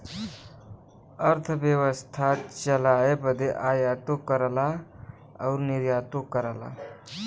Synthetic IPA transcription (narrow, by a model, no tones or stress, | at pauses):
əɾt̪ʰəʋjəʋəst̪ʰat͡ɕəlajepəd̪ʱːeʔajat̪okːəɾla | a̰wɾniɾjat̪okːəɾala̰